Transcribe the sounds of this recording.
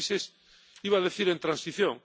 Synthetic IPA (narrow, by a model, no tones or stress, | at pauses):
ses | iβaðeθiɾent̪ɾansiθjõ̰ŋ